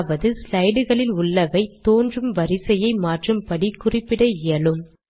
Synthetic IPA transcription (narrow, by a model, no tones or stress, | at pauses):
ʋɐðɯslɐɪɽɯɣɐɭɪlʊɭːɐʋɐɪt̪ːoːndrɯmʋɐɾɪsɐjɐɪmaːʈrɯmpɐɽikʊrɪpːɪɽɐɪjɐlɯm